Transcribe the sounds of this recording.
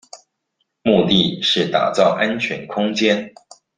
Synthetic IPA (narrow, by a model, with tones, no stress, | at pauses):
mu˥˧t̪i˥˧ʂɻ̩˥˩t̪a̰˨˩t͡sɑ˥˩ʊʔa˥nt͡ɕʰɥɛ˧˥nkʰʊ˥ŋt͡ɕjɛ˥n